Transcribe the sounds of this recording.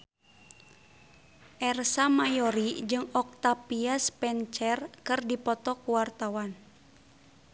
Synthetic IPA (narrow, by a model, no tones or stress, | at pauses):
ʔɛrsamajɔɾid͡ʒɨŋɔk̚t̪apiaspɛnt͡ʃɛrkɨrdipɔt̪ɔkuwart̪awan